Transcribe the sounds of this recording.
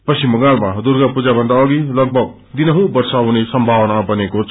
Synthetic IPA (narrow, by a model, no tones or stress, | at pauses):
pʌsimʌɡalmad̪uɾɡapud͡zabʱʌnd̪aʌɡilʌɡ̚bʱʌɡ̚ | d̪inʌɦũbʌɾsaɦunisʌmbʱawnabʌnekot͡sʰ